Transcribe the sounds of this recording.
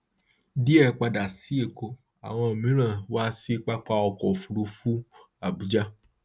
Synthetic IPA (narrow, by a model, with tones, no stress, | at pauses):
di˦ɛ˦˨k͡pa˧da˨si˨˦e˦˨ko˧ | a̰˨w̃ɔ̃˧˨mĩ˨˦ɾ̃ã˦˨waː˦si˦k͡pa˦k͡pa˦ɔ˧kɔ˨fu˨˧ɾu˧˦fu˦ | a˦˨bu˨˦d͡ʒa˦